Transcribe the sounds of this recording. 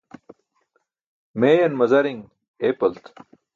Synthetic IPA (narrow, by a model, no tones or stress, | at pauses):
meːjɐnmɐzɐɾiŋ | eːpɐlt̪